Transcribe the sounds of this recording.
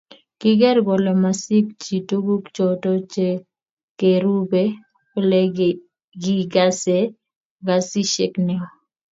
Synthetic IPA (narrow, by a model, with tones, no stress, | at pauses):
kɪ˦ɡɛ˦ɾɡɔ˨lɛ˨ma˨si˦kt͡ʃi˨tu˦ɡu˦kt͡ʃɔ˨tɔ˦t͡ʃe˨ | ke˨ɾu˦be˦ | o˦lɛ˦ | ɡi˦ɡa˦se˦ | ɡa˨si˦ʃe˦knɛ˦ɔ˨